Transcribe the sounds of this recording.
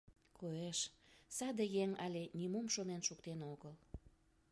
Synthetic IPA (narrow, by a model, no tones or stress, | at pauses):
koeʃsɑd̪əjeŋɑlʲenʲimumʃonenʃukt̪enoɣəl